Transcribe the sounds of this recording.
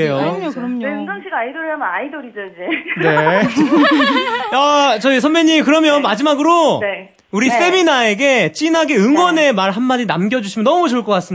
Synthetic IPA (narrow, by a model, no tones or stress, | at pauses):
ejookɯɾeɯŋdʌŋɕʰiɡaidoɾamnaidoɾid͡ʑoid͡ʑe̞ne̞ | at͡ɕʌisʰʌmmjeɲːimkɯɾʌmjʌnmad͡ʑimaɡɯɾoe | uɾis͈ʰe̞minae̞ɡe̞t͡ɕ͈inaɡeɯŋɡwʌne̞maɭɦanmad͡ʑinamɡjʌd͡ʑuɕʰimjʌnʌmut͡ɕʌɭk͈ʌk͈as͈ɯm